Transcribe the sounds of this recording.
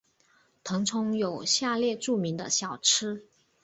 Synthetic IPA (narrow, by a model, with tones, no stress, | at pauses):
t̪ʰɤ˧˥ŋt͡sʰʊ˧˥ŋjo˨˩ʊɕja˥˧ljɛ˥˧ʈ͡ʂu˥˩mi˧˥ŋd̪ə̰˧ɕjɑ˨˩ʊʈ͡ʂʰɻɻ̩˥